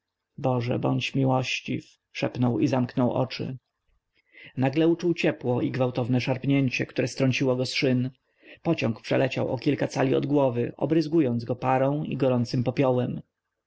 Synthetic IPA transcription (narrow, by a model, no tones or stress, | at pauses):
bɔʐɛ̰bɔɲt͡ɕmʲiwɔɕt͡ɕif | ʂɛpnɔwizamknɔwʔɔ̰t͡ʂɘ̰ | naɡlɛut͡ʂuwt͡ɕɛpwɔiɡvawt̪ɔvnɛʂaɾpɲɛɲt͡ɕɛkt̪uɾɛst̪ɾɔɲt͡ɕiwɔɡɔsʂɘn | pɔt͡ɕɔ̃ŋkpʂɛ̰lɛt͡ɕawʔɔkʲilkat̪salʲiɔ̰d̪ɡwɔvɘʔɔ̰bɾɘzɡujɔnd̪zɡɔpaɾɔ̃w̃ḭɡɔɾɔnt̪sɘmpɔpʲjɔwɛm